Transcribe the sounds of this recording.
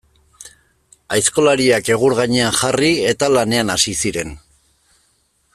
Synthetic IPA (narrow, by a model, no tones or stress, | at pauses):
ajsko̞laɾiake̞ɣ̞uɾɣaɲe̞anxarie̞t̪alane̞anasisiɾe̞n